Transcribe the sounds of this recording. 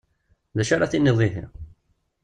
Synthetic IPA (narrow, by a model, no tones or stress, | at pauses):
ðæʃaɾaθinːiðˤiθḭ